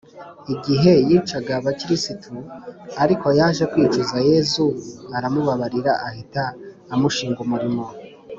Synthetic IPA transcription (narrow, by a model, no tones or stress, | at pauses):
iɡiɦe̞jit͡ʃaɡaβaciɾisitʰuaɾiko̞jaːʒe̞kwit͡ʃuzaje̞ːzuaɾamuβaβaɾiɾaʔahitaː | muʃiːŋɡumuɾimo̞